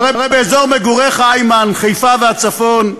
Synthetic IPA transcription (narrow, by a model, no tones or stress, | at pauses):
ʁejbʁejbeezoʁmeɡuʁeχajmanχejfaveat͡safon